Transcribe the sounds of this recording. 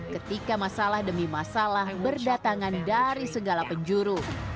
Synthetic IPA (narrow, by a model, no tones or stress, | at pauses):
kət̪ikamasalahdəmimasalahbərdat̪aŋandaɾisəɡalapəɲd͡ʒuɾu